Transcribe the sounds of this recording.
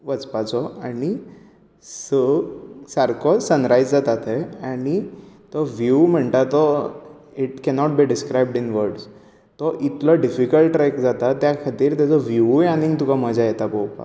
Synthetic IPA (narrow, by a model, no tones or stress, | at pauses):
ʋət͡spat͡sɔani | səsaɾkʰɔsːənɾajd͡zd͡zat̪at̪ɛanit̪ɔʋjuːm̤əɳt̪at̪ɔ | iʈkɛnɔʈ̚biɖiskɾajbɖinʋəɾɖs | t̪ɔʔit̪lɔɖifikəlʈɾɛkd͡zat̪at̪ːjakʰat̪iːɾt̪jat͡sɔʋjujanĩŋɡt̪ukaməd͡zajet̪apowpa̰